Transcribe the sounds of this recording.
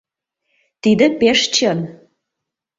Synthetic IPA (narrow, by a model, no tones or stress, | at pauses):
t̪id̪ə̆peʃt͡ɕən